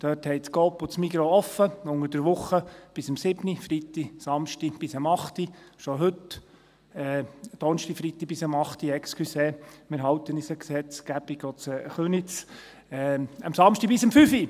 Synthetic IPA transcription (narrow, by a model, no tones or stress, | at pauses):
d̪̥œːthɛɪt͡skɔːpːʊt͡smiɡɾoɔfːəʊŋəd̥əɾʋʊχːəb̥ɪsəmsɪbnifɾit̪ːisɑmʃtib̥ɪsəmɑχt̪iʃɔɦɵt | ɛd̥ɔnʃtifɾit̪ːib̥ɪsəmɑχt̪iɛkskʰyseːmɪɾɦɑwt̪ənisəksɛt͡sɡ̥æbiɡ̥ɔt͡sɛχynit͡s | ɛə̰msɑmʃtib̥ɪsəmfyfi